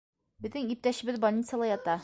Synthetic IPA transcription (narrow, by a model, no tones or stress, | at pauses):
bɘ̆ðɘŋip̚t̪æɕɘ̆bɘðbolʲnʲit̪seəlˠɑjɒt̪ɑ